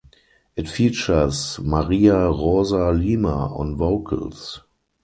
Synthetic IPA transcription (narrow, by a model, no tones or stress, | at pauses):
ʔɪtfiːt͡ʃəsmaʁiːaʁozaliːma̰ɔ̰̃nvoʊkʰə̰ls